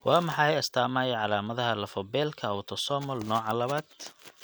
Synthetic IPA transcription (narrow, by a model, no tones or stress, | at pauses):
wʔɑːmɑħɑjjɐst̪ʰaːmaːjɐʕɑlaːmɐðɐɦɐlɐfɔbɛːlkʰɐɐwt̪ʰɔsɔːmɔlnɔːʕɑlɐβaːd̪̥̚